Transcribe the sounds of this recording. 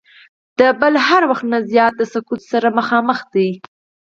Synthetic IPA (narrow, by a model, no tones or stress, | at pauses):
d̪̥əbəlɦaɾwaxt̪nazjɑt̪̚ləsʊkut̪saɾaməxɑməxd̪aj